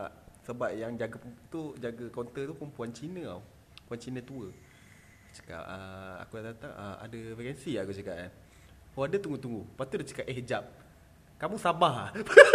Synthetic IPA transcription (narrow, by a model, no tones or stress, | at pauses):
səbap̚jaŋd͡ʒaɡəpət̪ud͡ʒaɡəkont̪ət̪upəmpuant͡ʃinə̃a̰w | əpuant͡ʃinət̪uə | t͡ʃə̥ka̰p̚əa̰kudãdat̪aŋəa̰dəfikɛnsiakut͡ʃəkaʔ̚an | haadət̪uŋɡut̪uŋɡupat̪udat͡ʃə̥kapʔɛɦd͡ʒap̚ | kamusabaɦa